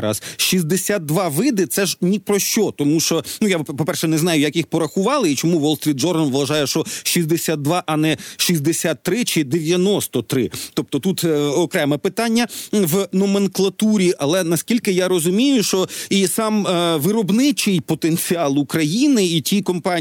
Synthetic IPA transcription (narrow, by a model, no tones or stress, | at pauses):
ɾɐ̰zʃizʲd̪esʲat̪̚ːʋɑʋɪd̪ɪt̪sɛʒnʲipɾɔʃt͡ʃɔt̪ɔmuʃt͡ʃɔnujapɔpɛrʃɛnɛznɑjʊjɐkjixpɔɾɐxʊʋɑlˠɪit͡ʃɔmuʋɔlˠst̪ɾʲit̪̚ʒɔrɐnʋʋɐʒɑjɛʃɔʃizd̪esʲat̪̚d̪ʋɑʔɐnɛʃizʲd̪esʲat̪ːɾɪt͡ʃɪd̪eʋʲjɐnɔst̪ɔt̪ɾɪt̪ɔp̚t̪ɔt̪ut̪ɔkɾɛmɛpɪt̪ɑnʲːɐʋnɔmenklˠɐt̪uɾʲiʔɐlˠɛnɐskʲilʲkɪjaɾɔzʊmʲijʊʃt͡ʃɔisɑmʋɪɾɔbnɪt͡ʃɪjpɔt̪enʲt͡sʲiɑlˠukɾɐjinɪitʲikɔmpɑ